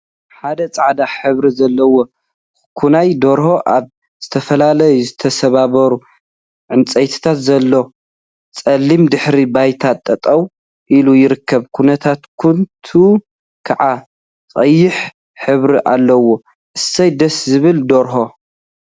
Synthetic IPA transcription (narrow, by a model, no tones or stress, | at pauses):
ħad̪ɐt͡sʼaʕd̪aħɨβɾizɐlːɐwo | kʰunajd̪o̞ɾho̞ʔaβ | z̥ɨt̪ʰɐfɐlalɐjuzɨt̪ʰɐsɐβaβɐɾu | ʕɨnt͡sʼɐjt̪ʰi̥t̪ʰat̪zɐlːo | t͡sʼɐlːimd̪ɨħɾibajt̪ʰat̪ʼːɐt̪ʼɐw | ʔilujɪɾɨkːɐβkʰunɐt̪ʰat̪kʰunt̪ʰu | kʰaʕa | t͡sʼɐjːɪħ | ħɨβɾiʔa̰lːɐwːo̞ | ʔɨsɐjd̪ɐszɨβɨld̪oɾɦo̞